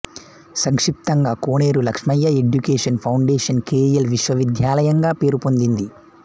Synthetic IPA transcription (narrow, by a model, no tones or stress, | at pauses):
sɐŋkʂip̚t̪ɐŋɡaːkoːneːɾulɐkʂmɐjːɐe̞ɖjukeːʂɐnpʰɐwɳɖeːʂɐnkeːjɐlʋiʂʋɐʋid̪ʱjaːlɐjɐŋɡaːpe̞ːɾupo̞nd̪ind̪i